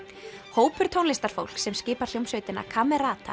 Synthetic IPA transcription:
hoːwpʏɾ̥t̪ʰownlɪst̪aɾ̥fo̰wl̥ksɛmscɪːpaɾ̥l̥owmsœɥt̪ɪnːa̰kʰaːmɛɾaːt̪ʰa̰

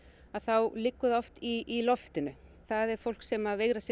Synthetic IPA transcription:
aðθawlɪkːʏðɔft̪iːlɔft̪ʏnʏ | θaðɛɾ̥fowl̥ksɛmaveːɣɾasɪ

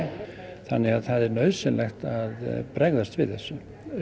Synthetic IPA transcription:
θanːɛɣaðθaðɛɾnœɥðsɪnlɛxt̪aðpɾɛɣðast̪vɪ̰ðθɛsːʏ

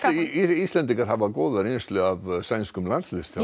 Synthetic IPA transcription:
iist̪lɛnt̪̬iŋkaɾ̥ɦavakoːðaɾenst̪lʏavsajnskʏmlanslɪst̪

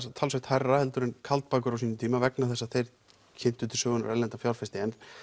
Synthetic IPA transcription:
st̪ʰalsveht̪hajrːahɛlt̪ʏɾɪnkʰalt̪̚paːkʏɾaws̬iːnʏmt̪ʰiːmavɛknaθɛsːaθejɾ | cʰɛm̥t̪ʏt̪ʰɪlsœːɣʏna̰ɾɛlɛnt̪afjawɾfɛst̪ɪɛn

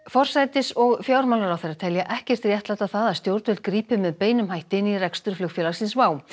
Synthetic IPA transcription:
fɔr̥sajt̪ɪsɔɣfjaːwɾmawlaɾawθejɾːat̪ʰɛljaʔɛhcɛr̥t̪rjɛht̪lajt̪awθaðast̪jowɾt̪ʏlt̪̚kɾiːpʏmːɛðpeːjnʏmhajht̪ɪnːirɛkst̪ʏɾ̥flʏkfjɛlaɾsinsvaːw

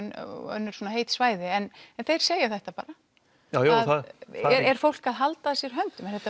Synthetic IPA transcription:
nœ̰nːʏɾ̥suːnaɦeːjt̪svaːjðɪɛnɛnθejɾ̥seːjɪ̥θɛht̪apa̰ːɾa | ajuaðθɛɛɾ̥fowl̥kaðɦalt̪aðsjɛɾɦœnt̪ʏmɛnθɛt̪a

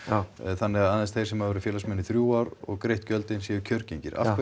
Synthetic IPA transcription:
θanːɛɣaaðɛnst̪θejɾ̥sɛmaðvɛɾɪfjɛːlasmɛnːɪθɾjuːaɾɔ̰ɣkɾejht̪cœlt̪ɪnsjɛːjʏcʰœɾceɲcɪɾʔa̰fkv

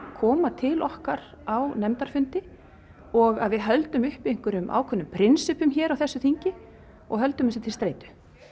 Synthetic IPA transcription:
kʰɔːmat̪ʰɪlʔɔhkaɾawnɛmt̪aɾ̥fʏnt̪ɪ | ɔɣaðvɪðɦœlt̪ʏmʏhpejŋ̥kʏɾʏmʔa̰ːwkʰœnːʏmpʰɾɪnsʏpʏmçɛːɾawθɛsːʏθiɲcɪ | ɔ̰ɣɦœlt̪ʏmʏsɪt̪ʰɪlst̪ɾeːjt̪ʏ̥

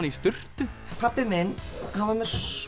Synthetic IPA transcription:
nist̪ʏr̥t̪ʏpʰapːɪmɪnhanvaɾmɛɾ̥s

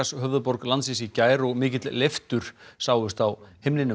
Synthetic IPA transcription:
asɦœvðʏpɔɾklansɪsicaːjɾɔɣmɪːcɪt̪lleft̪ʏɾ̥saːwðʏst̪awhemlɪnʏ

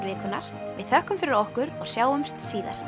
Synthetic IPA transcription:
ɾvɪːkʏnːa̰ɾ̥vɪðhœhkʏmfɪɾɪɾɔhkʏɾɔɣsjaːwʏmst̪siːða̰ɾ̥

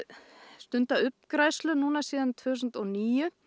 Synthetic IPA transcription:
st̪ʏnt̪aʏpkɾajslʏnuːnasiːðant̪ʰvʏs̬ʏnt̪ɔɣniːjʏ

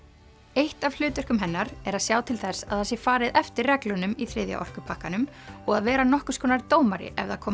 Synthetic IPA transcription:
ejht̪av̥l̥ʏːt̪œr̥kʏmɦɛnːaɾɛɾaðsjaːwt̪ʰɪlθɛsaðhasjɛfaːɾɪðɛft̪ɪrrɛklʏnʏmiθɾɪːðja̰ʔɔ̰r̥kʏpʰahkanʏm | ɔɣaðvɛːɾanɔhkʏskʰɔːnaɾt̪oːwmaɾɪ̰ʔɛ̰vðakʰɔː

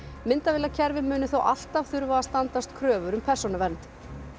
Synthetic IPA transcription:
mɪnt̪avɪlacʰɛɾvɪmʏːnʏθowʔa̰l̥t̪av̥θʏɾvaast̪ant̪ast̪kʰɾœːvʏɾʏmpʰɛr̥sɔnavɛnt̪

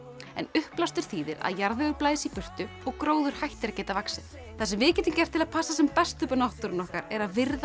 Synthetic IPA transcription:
ɛ̰nʏhplast̪ʏɾ̥θiːðɪɾa̰ðjaɾðʏʏplaːjðɪsipʏr̥t̪ʏ | ɔɣkɾoːwðʏɾ̥hajht̪ɪɾacɛːt̪avaksɪð | θasɛmvɪːcɛt̪iŋcɛr̥t̪ʰːɪlaðpʰasːasɛmpɛst̪ʏpanaht̪ʏɾɪnɔhkaɾɛɾaðvɪɾð

